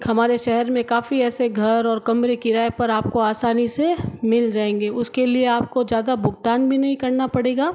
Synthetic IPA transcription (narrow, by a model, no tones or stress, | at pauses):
ɦɐmaːɾeʃɛɦɛɾmẽkaːfiɛːseɡʱɐɾɔːɾkɐmɾekiɾaːepɐɾaːp̚koaːsaːnisemɪld͡ʒaːẽːŋɡeʊskelieaːp̚kozjaːd̪abʱʊɡt̪aːnbʱinɐɦĩkɐɾnapɐɽeːɡaː